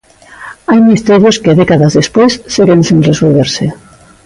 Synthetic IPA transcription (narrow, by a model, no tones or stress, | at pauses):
ajmist̪eɾjoskeðekaðazðespejsːeɣensinresolβeɾse